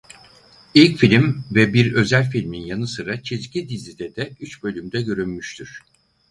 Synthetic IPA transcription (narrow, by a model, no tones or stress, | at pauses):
ilʲcfilʲimvɛbiɾø̞zælʲfilʲminjanɯsɯɾat͡ʃʰizcʰid̪izid̪ɛd̪ɛyt͡ʃbø̞lʲymd̪ɛɟø̞ɾynmyʃt̪ʰyɾ̥